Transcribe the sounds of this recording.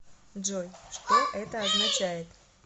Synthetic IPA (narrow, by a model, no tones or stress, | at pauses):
d͡ʒojʂt̪oʔɛt̪əɐznɐt͡ɕæjɪt̪